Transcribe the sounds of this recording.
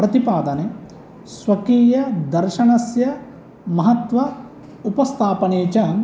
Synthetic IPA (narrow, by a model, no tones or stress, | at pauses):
pɾɐt̪ipaːd̪ɐne | sʋɐkiːjɐd̪ɐɾʃɐnɐsjɐ | mɐɦɐt̪ʋɐ | upɐst̪ʰaːpɐneːt͡ʃaːm